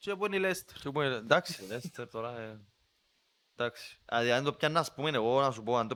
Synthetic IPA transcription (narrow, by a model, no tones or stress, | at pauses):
t͡ʃepunilest̪e̥ɾepunind̪aksi̥lest̪eɾt̪oɾɐe | nd̪aksi̥a̰ðiand̪opçɐnːɐspumeneɣonɐsupoand̪o